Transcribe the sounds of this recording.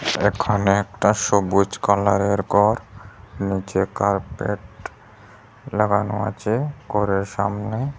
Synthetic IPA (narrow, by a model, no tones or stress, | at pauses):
ḛkʰoneɛk̚ʈaʃobud͡ʑkɔlaɾeɾkɔɾnit͡ɕekaɾpeʈ | laɡanoa̰t͡ɕʰekɔɾeɾʃamne